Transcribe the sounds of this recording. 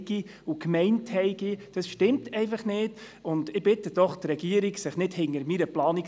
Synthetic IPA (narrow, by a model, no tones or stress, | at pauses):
ɡ̥iukmɛɪnthɛɪɡ̥id̥ɑsʃtɪmtɛɪfɑχnɪːd | ʊndɪb̥ɪtəd̥ɔχtrɛɡiəɾiɡsɪχnɪdhɪŋəɾmiɾəplɑːnik